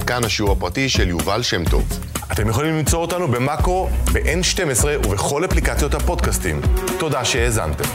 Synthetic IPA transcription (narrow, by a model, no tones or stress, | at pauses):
kanhaʃiuʁapʁatiʃe̞ljuvalʃemto̞̰v | ʔat̪e̞mje̞χolimlimt͡so̞otanube̞makʁo̞beʔenʃte̞mesʁeʔuve̞χo̞laplikat͡sjo̞t̪hapo̞dkastḭmt̪o̞daʃe̞eːza̰nte̞m